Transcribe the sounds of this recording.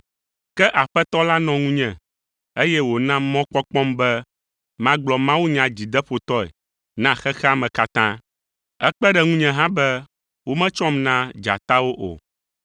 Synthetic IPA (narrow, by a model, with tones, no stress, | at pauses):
kɛ˦ʔa˨ɸɛ˦t̪ɔ˦la˦nɔ̃˨ŋũ˦ɲɛ̃˨ | e˦jɛ˦wo˨nã˦mɔ̃˦k͡pɔ˦k͡pɔ̃˦mbɛ˦ | mã˦ɡ͡blɔ˨mã˦wu˦ɲã˨d͡ʑi˨d̪ɛ˦ɸo˨t̪ɔ˦ɛ̰˨ | nã˦xɛ˦xɛ˦a˦mɛ̃˨ka˦t̪ã˦ | ɛ˦k͡pɛ˦ɖɛ˨ŋũ˦ɲɛ̃˨ɦã˦bɛ˦ | wo˦mɛ̃˦t͡ʃɔ̃˦mnã˦d͡ʒa̰˨t̪a˦wo˦ʔo̰˨